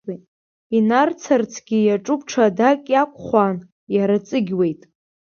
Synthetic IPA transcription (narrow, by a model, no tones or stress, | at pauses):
inart͡sʰart͡sʰɡ̥ʲijaʈ͡ʂʼʊpʰʈ͡ʂʰadakʲʼjakʷʰʼχʷan | jaɾat͡sʼɨɡʲwe̞jtʼ